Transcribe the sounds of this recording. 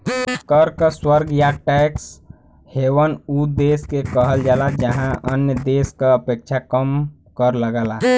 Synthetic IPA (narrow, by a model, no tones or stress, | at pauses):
kəɾkəswəɾɡjaʈɛks | hewənud̪eskekəɦəld͡ʒalad͡ʒəɦãənjəd̪eskaəpek̚t͡ʃʰakəm | kəɾləɡəla